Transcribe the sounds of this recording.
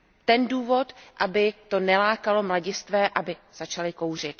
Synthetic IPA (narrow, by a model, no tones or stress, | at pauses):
t̪ɛnduːvo̞t̪ʔabɪt̪o̞nɛlaːkalo̞mlaɟɪst̪vɛːʔabɪz̥at͡ʃalɪkowr̝ɪt̪